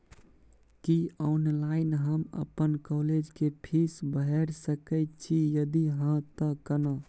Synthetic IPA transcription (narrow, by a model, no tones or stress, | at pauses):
kiɔːnlaɪnɦəmə̰pənkɔːled͡ʒkepʰisbəɦɛɾsəkəɪt̪̚t͡ʃʰijəd̪iɦə̃t̪əkənə